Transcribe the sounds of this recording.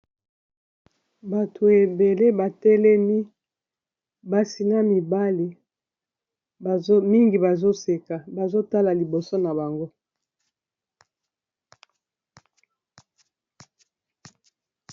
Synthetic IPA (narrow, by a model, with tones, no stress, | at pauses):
ba˨tʰo˨e˨be˨le˦ba˨tɛ˦lɛ˦mi˦ | ba˨si˨na˦mi˨ba˦li˨˦ | mi˦ŋɡi˨ba˨zo˦se˨ka˨ba˨zo˦ta˦la˨li˨bo˨so˦na˨ba˨ŋɡo˦